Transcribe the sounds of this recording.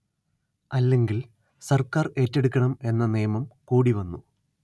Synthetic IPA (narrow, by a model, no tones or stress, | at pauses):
ɐlːe̞ŋɡil | sɐrkaːre̞ːtːeɽukʲːɐɳɐme̞nːɐnijɐmɐmkuːɽiʋɐnːu